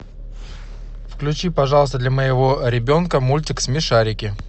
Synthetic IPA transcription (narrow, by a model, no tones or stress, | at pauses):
fklʲʉt͡ɕipɐʐɑlˠəst̪əd̪lʲɐməjɪvo̞ɾʲɪbʲo̞nkəmulʲtʲɪksmʲɪʂaɾʲɪkʲɪ